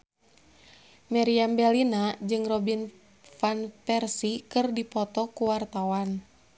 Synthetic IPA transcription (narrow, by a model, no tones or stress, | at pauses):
maɾiambɛlinad͡ʒɨŋrɔbin | fanpɛrsikɨrdipɔt̪ɔkuwart̪awan